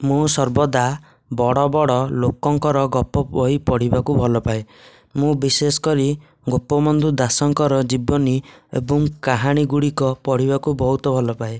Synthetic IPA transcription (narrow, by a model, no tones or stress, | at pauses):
mũsɔɾbɔd̪a | bɔɽɔbɔɽɔlokɔŋkɔɾɔɡɔpɔɔipɔɽ̤ibakubʱɔlɔpae | mũbisesɔ̥kɔɾi | ɡɔpɔmɔnd̪ud̪asɔŋkɔɾɔd͡ʒibɔniḛbɔŋkaɦaɽ̃iɡuɽikɔpɔɽ̤ibakubɔɦut̪ɔbʱɔlɔpae